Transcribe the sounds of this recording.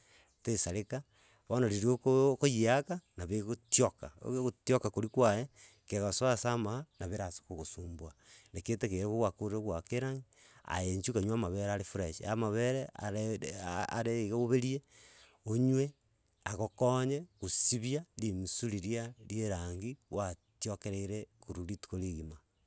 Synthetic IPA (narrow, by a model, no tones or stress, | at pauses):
tesaɾeka | βonoɾiɾiokokojiakanaβeɣotjoka̰otjokakoɾikwaje | keɣoswasamanaβeɾaso̥koɣosuːmbwaneketekeɾekoɣwakoɾeɣwakeɾaːŋɡia̰jeɲt͡ʃukaɲwamaβeɾaɾefuɾeʃiamaβeɾea̰ | a̰ɾeɣeoβeɾie | oɲwe | aɣokoɲekusiβjalimisuliɾiaɾjeɾaŋɡiwatjokeɾeɾekuɾuɾitu̥koliɣima